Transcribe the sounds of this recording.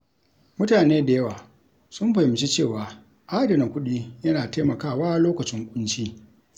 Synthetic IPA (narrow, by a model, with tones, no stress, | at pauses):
mʊ˦taː˨neː˦da˨jɐ˦waː˨ | sʊ˦mɸɐ˨hɪ˨mt͡ʃi˦t͡ʃeː˦˨waː˨ | ʔaː˦dɐ˨na˨kʷʊ˦ɗiː˦jɐ˦naː˨ta˦mɐ˨kaː˦˨waː˦loː˦kɐ˨t͡ʃɪ˦ŋkʷʼʊ˦nt͡ʃiː˦